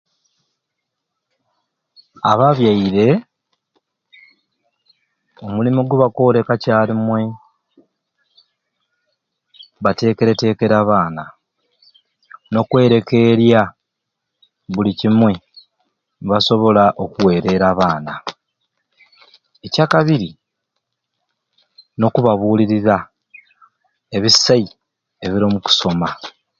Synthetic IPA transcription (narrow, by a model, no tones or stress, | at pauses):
a̰βaβjaiɾe̞ | o̞mulimiɡuβakoːle̞kacaːlimwe̞ | βate̞ːke̞ɾe̞te̞ːke̞ɾaβaːna | no̞kwe̞ːɾe̞ke̞ɾja | βulicimwe̞ | βaso̞βo̞laʔo̞kuwe̞ːɾe̞ɾaβaːna | ecaːkaβiɾi | no̞kuβaβuːliɾiɾa | e̞βisːai | e̞βiɾomuku̥so̞ma